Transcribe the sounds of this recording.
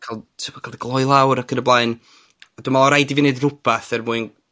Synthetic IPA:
kʰalˠtʰɨpɔ̥kʰalˠdiɡlˠɔjlˠawɾakʰənəblˠaɨn | aduːmalˠɔɾajdiviːneɨdrʊpʰaθɛrmuɨn

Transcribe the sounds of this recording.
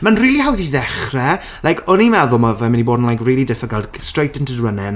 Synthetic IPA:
manriːlihawðiðɛχrɛ | lajkʰɔnimɛðʊlˠməvɛmɪniboːdn̩lˠajkriːlˠidɪfəɡalˠdstrejtʰəntudwənɛn

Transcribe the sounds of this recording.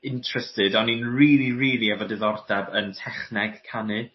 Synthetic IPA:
ɪntʰrɛstɪdɔninriːlˠiriːlˠiɛvɔdɪðɔrdɛbəntʰɛχnɛɡ̥kʰanɨ

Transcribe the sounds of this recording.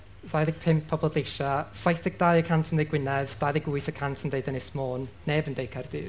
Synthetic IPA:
ðajðɪɡ̚pʰɪmpʰːɔbɔlˠdejʃasajθɛɡ̚d̥ajəkʰantʰəndejɡwɪnɛðd̥ajðɪɡʊɨθəkʰantʰəndeɨdənɪsmoːnːɛbəndejkʰard̥ɨ̰ː

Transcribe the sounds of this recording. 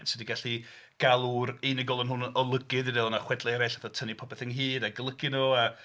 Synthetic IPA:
nsədiɡaɬi | ɡ̥alˠuɾinɪɡɔlˠɔnɦʊnɔlˠəɡɨðiðɛlˠnaχwɛdlˠɛɾaɬaθɔtʰənipʰɔbɛθənɦiːdaɡəlˠəɡɨnoa

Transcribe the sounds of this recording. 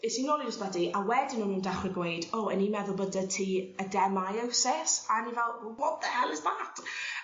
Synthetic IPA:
ɪsinɔlˠid͡ʒɪsb̥ɛdiʔawɛdɪnənuːndaχwɪɡwejdoənimɛðʊlˠbədatʰiːədɛmajawsɛsanivɛlˠwɔtðəhɛlˠɪzbaːtʰ

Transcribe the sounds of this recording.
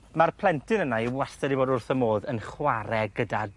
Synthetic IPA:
marpʰlˠɛntʰɪnənaiwastɛɾiboːdʊrθəmoːðənχwaɾɛɡəda

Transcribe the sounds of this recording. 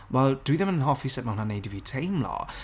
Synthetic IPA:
wɛlˠd̥əwiðɛmənɦɔːfisɛd̚mahʊnanejdivitʰejmlɔ̰

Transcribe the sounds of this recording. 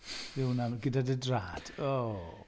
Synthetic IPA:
ɪwnanɡədadədraːd̥o

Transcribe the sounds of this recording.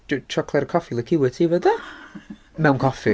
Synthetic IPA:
dut͡ʃʰɔkʰlˠɛɾəkʰɔfilˠəkʰɪwətʰiːvədɛ | mɛwnkʰɔfi

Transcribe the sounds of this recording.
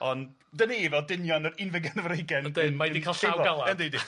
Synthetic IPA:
ɔn | dəneːvɛdɪnjɔnəɾɪnvɪɡɛnəvɾejɡɛndɪnmadikʰalˠɬawɡalˠaəndedi

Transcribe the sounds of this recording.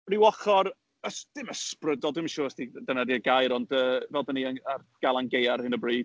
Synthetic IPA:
rɪwɔχɔɾ | əsd̥ɪməsprədɔlˠdwɪmiʃʊːəstidanadiəɡajɾɔndəːvɛlˠdəniənarɡ̥alˠanɡejarhɨnəbriːd̥

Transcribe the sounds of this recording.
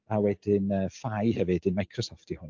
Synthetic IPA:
awɛdɪnəːfajhɛvɨdɨnmajkʰrɔsɔftʰɪhʊn

